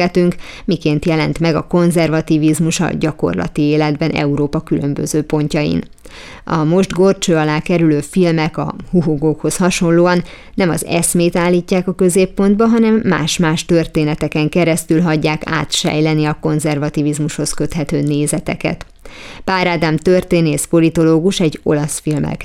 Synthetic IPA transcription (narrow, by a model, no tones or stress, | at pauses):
ɛt̪yŋk | mikeːnt̪jɛlɛn̪t̪mɛɡɒko̞nzɛrvɒt̪ivizmuʃɒ̰ɟɒko̞̰rlɒ̰t̪ieːlɛd̪bɛnɛ̰uɾoːpɒkylø̞mbø̰zøːpo̞ɲcɒjḭn | ɒmo̞ʒd̪ɡo̞rt͡ʃøːɒlaːkɛɾyløːfilmɛkɒ̰huɦoɡoːkho̞shɒʃo̞nlːoːɒnː | ɛmɒzɛ̰smeːt̪aːlːiːcːaːkɒkø̞zeːpːo̞nd̪̚bɒɦɒnɛmːa̰ːʃmaːʃt̪ørt̪eːnɛt̪ɛkɛŋkɛɾɛst̪ylɦɒɟːaːka̰ːt̪ʃɛ̰jlɛniɒko̞nzɛrvɒt̪ivizmuʃho̞skø̞t̪hɛt̪øːneːzɛt̪ɛ̰kɛ̰t̪ | b̥aːɾad̪amt̪ørt̪eːneːspo̞lit̪o̞loːɡuʃɛɟo̞̰lɒsfilmɛ̰l